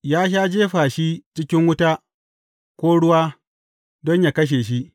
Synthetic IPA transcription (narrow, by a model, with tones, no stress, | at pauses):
jaː˦ʃaː˦d͡ʒeː˦ɸaː˨ʃi˦t͡ʃɪ˦kʲɪ˦ŋwʊ˦taː˦ | kʷoː˦ɽʊ˦waː˦ | dɔ˦ɲjaː˨kɐ˦ʃ̬eː˨ʃi˦ʔ